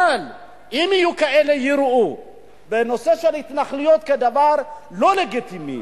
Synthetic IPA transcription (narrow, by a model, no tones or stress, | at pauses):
al | imijukae̞lejiɾu | beno̞se̞ʃelhit̪naχlujot̪̚ked̪avaʁlo̞le̞ɡit̪imḭ